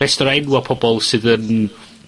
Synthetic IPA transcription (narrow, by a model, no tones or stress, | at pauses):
ɛstɔɾɛnwapʰɔbɔlˠsɨðən